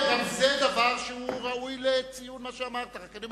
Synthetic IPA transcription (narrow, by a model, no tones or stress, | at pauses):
ɡamzed̪avaʁʃehuʁaujlet͡sijunmaʃeamaʁt̪aʁakanim